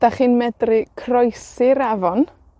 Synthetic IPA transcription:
d̥aχiːnmɛdrɪkʰrɔjsɪɾɛvɔn

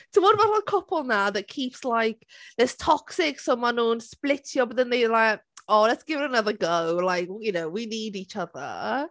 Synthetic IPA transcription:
tʰəwɔdmaɾankʰɔpʰɔlˠnaðət̚kʰipslajkðɛstʰɔksɪksomanuːnsplɪtʰjɔbɔðə̃nðedlajkɔlɛtsɡ̥ɪvɪɾənəðəɡəwlajkjɨnowiniːdit͡ʃəðə̰

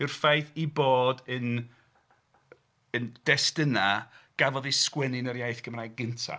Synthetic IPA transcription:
ɪrfajθiboːdən | ənd̥ɛstənaɡ̥avɔðiskwɛnɪnəɾjajθɡ̥əmraɡɨntʰa̰

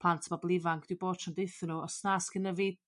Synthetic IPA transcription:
pʰl̥ˠantʰəmablˠɪvaŋɡʰd̥wiboːd̥ʃʰandejθənuɔsnaːsɡ̥ənəvɪd̚

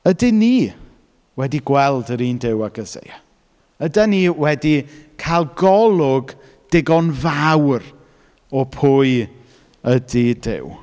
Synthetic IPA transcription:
ədɪniː | wɛdiɡwɛlˠdəɾiːndɪwaɡ̥əzḛja | ədaniwɛdikʰajlˠɡɔlˠʊɡ | d̥ɪɡɔnvawr | ɔpʰʊɨ | ədidɪ̰w

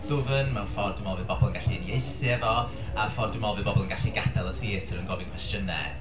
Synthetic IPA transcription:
d̥ʊvənmɛnfɔrdəmɔlˠvɨðbɔbɔlˠənɡaɬinjejsɨɛvɔ | afɔrdəmɔlˠvɨðbɔbɔlˠənɡaɬiɡadalˠəθiːtʰəɾənɡɔvɪnkwɛstjənɛ̰

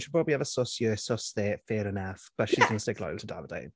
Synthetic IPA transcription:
ʃəd̚pʰɹɔbəbliəvəsɔsjəːsɔsðeːfeːɾənəfb̥əʃizdɪ̃nəsɪklɔ̰ɪlˠtʰəda̰vəda̰ɪn

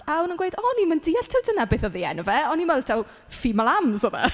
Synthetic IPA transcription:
aʊnənɡwejdɔniməndiːaɬtʰɪwdənabeːθɔðiːɛnɔvɛɔniməlˠtʰaw | fimalˠamzɔðɛ̰

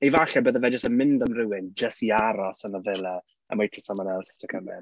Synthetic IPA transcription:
ivaɬɛbəːðəvɛd͡ʒəstəmɪndamrɪwɪnd͡ʒəstiaɾɔsənavɛlˠɛ | ə̰mojpʰrɪsamanɛlˠsɪ̥stʰəkʰəmɛ̰n

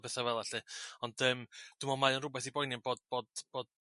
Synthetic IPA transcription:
bɛθavɛlˠaɬɨɔnd̥əmd̥umɔmajɔnrʊbɛθibɔjnjɛnb̥oːd̚b̥oːdb̥oːd̚

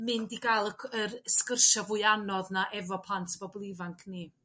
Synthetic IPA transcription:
mɨndiɡajlˠəkʰərskərʃavʊɨanɔðnaʔɛvɔpʰlˠantʰəbɔblˠivaŋkʰni

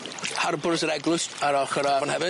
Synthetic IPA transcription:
harbʊrsəɾɛɡlˠʊsaɾɔχəɾaɔnhɛvɨ

